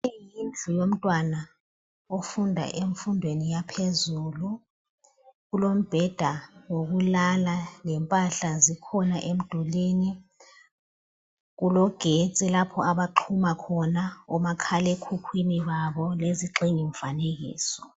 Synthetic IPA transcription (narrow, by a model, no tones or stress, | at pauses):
ejind͡ɮʱujom̩tʼwana | ofundʱa̰ʔeɱfundʱwenijapʰezulu | ɣulom̩b̥ʱɛd̥ʱawoɣulalalɛmpʼaɬazikʰɔnaʔem̩d̥ʱuliːni | ɣulɔɡ̥ʱet͡sʼilapʰɔaɓaǃʰumakʰɔnaɔmakʰalekʰukʰwiniɓaɓɔleziǃiŋiɱ̩faneɣ̬ḭːsɔ̥